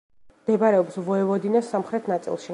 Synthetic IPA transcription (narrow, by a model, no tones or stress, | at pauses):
d̪̥ɛbaɾɛɔpsvɔɛvɔd̪inasːamχɾɛt̪ʰnat̪sʼḭlˠʃi